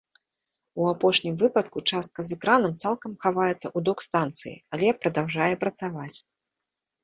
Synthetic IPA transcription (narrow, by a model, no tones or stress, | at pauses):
uapɔʂnʲimvɨpɐt̪kut͡ʂast̪̚kɐzɛkɾanɐmt̪salˠkɐmxavajɛt̪sːɐʔud̪ɔkst̪ant̪sɨjḭalʲɛpɾɐd̪awʐajɛpɾɐt̪savat͡sʲ